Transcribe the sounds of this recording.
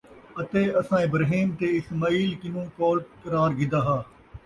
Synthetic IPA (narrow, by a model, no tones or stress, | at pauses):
ɐt̪eːɐsãːɪbɾɦiːmt̪eɪsmaːiːlkɪnũːkoːlkɐɾaːɾɡɪd̪aːɦaː